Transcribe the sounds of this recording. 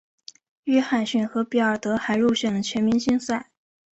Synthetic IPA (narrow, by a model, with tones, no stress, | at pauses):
y˥˧xa˨˩nɕy˥˩nxɤ˧˥pi˨˩ə˞˨˩t̪ɤ˧˥xa˧˥ɪɻu˥˧ɕɥɛ˥˩nlə˩t͡ɕʰɥɛ˧˥nmi˧˥ŋɕi˥ŋsa˥˩ɪ